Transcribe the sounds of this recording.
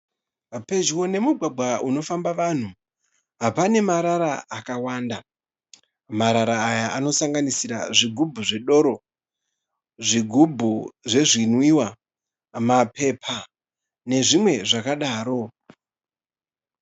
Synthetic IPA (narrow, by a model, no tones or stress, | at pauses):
pe̞d͡ʒwo̞ne̞muɡʱaɡ͡bʱwaʔuno̞fambaʋan̤u | ɦapane̞maɾaɾaakawaːnda | maɾaɾaːjaʔano̞saŋɡanisiɾa̰ʐiɡʱubʱuʐe̞ɗo̞ɾo̞ | ʐiɡʱubʱuʐe̞ʐinwiwa | mape̞pʰa | ne̞ʐimwe̞ʐakaɗaːɾo̞